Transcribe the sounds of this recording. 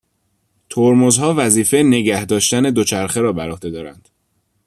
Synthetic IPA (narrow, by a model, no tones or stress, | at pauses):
t̪ʰoɾmozhɒːvæziːfe̞ne̞ɟæhd̪ɒːʃt̪æne̞d̪o̞t͡ʃʰæɾxeɾɒːbæɾohd̪e̞d̪ɒːɾæ̰nd̪̥